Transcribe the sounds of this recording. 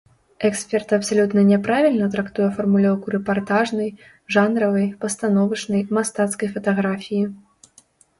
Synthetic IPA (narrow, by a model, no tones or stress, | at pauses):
ɛksʲpʲɛrt̪ɐpsalʲut̪nɐnʲɛpɾavʲilʲnɐt̪ɾakt̪ujɛfɐrmulʲɔwkuɾɛpart̪aʐnɐj | ʐanɾɐvɐjpɐst̪anɔvɐt͡ʂnɐjmast̪at̪skɐjfɐt̪aɣɾafʲiji